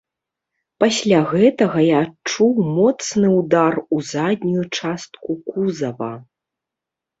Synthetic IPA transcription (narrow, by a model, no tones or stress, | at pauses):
pasʲlʲaɣɛt̪ɐɣɐjaːt͡ʂuwmɔt̪snɨwd̪aruzad̪ʲnʲujut͡ʂast̪̚kukuzɐvɐ̰